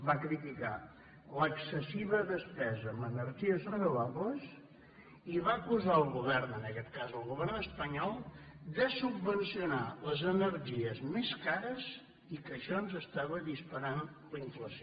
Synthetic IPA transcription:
bakɾit̪ika̰ | ləksəsiβəðəspɛzəmənəɾʒiəzrənuβaβləs | iβaəkuzaəlˠɣuβɛrnənəkɛt̪kazəlˠɣuβɛrnəspəɲɔlˠd̪əsubːənsiunaləzənəɾʒiəzmeskaɾəz | ikəʃɔnzəst̪aβəðispəɾan | ləiɱfləsio

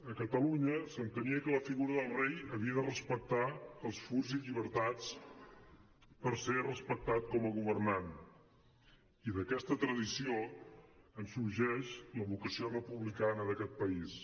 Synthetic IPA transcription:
əkət̪əluɲəsənt̪əniəkələfiɣuɾəðəlˠrejəβiəðərəspək̚t̪aəlˠsfuɾziʎiβ̞əɾt̪at͡s | pəɾserəspək̚t̪at̪̚kɔməɣuβ̞ərnan | iðəkɛst̪ət̪ɾəðisio | ənsuɾʒɛʃləβukəsiorəpuβlikanəðəkɛt̪̚pəis

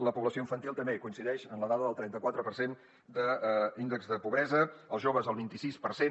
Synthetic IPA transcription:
ləpuβləsioĩɱfənt̪ilˠt̪əmbekuinsiðɛʃənləðaðəðəlˠt̪ɾɛnt̪əkwat̪ɾəpərsen | d̪əinəkzðəpuβɾɛzəəlˠzʒoβəzəlˠβint̪isispəɾsen

